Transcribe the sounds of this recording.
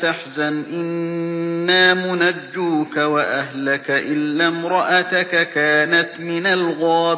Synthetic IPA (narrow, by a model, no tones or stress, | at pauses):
aħzanʔɪnː | aːmʊnad͡ʒːuːkawaʔaɦlakaʔɪlːaːmɾˤɑʔat̪akakaːnat̪mɪnalɣɑː